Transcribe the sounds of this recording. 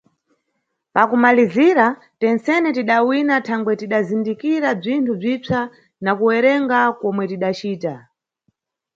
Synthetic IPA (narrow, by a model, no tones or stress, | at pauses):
pakumaliziɾa | tɛnt͡sɛnɛtiɗawinatʰaŋɡwɛtiɗazindikiɾab͡ʐintʰub͡ʐit͡sʰa | nakuwɛɾɛŋɡakɔmwɛtiɗat͡ʃiːta